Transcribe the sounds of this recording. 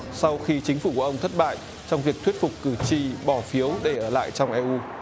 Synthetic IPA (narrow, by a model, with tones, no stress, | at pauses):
sa˧wxi˧t͡ɕi˨˦ŋ̟fu˧˩ku˧˩ʔə˧ŋ͡mt̪ʰt̚ɓa̰ː˧˨j | t͡ɕɔ˧wŋ͡mvi˨˩ək̚t̪wi˦˥t̚fʊ˨˩k͡p̚kːɨ˧˩t͡ɕi˧ɓɔ˧˩fi˨˦əwɗe˧˩ʔəː˧˩la̰ː˧˨jt͡ɕɔ˧wŋ͡mʔɛ˧ʔu˧